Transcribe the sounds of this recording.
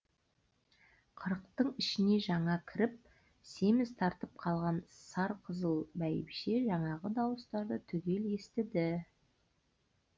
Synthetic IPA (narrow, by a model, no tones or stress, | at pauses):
qʰəɾəqt̪əɴɪʃɪne̞ʒɑɴɑkʲʰɪɾɪp̚ | se̞mɪzt̪ʰɑɾt̪əp̚qʰɑlˠʁɑnsɑɾqʰəzəlˠbæjɪ̰pʃe̞ʒɑɴɑʁəd̪ɑwəst̪ɑɾd̪ət̪ʰʏɡʲe̞le̞st̪ɪd̪ɪ